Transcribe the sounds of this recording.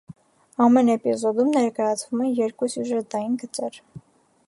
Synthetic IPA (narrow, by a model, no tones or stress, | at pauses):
ɑmɛnɛpizɔd̪umnɛɾkɑjɑt͡sʰvumɛnjɛɾkusjuʒət̪ɑjinɡət͡sɛɾ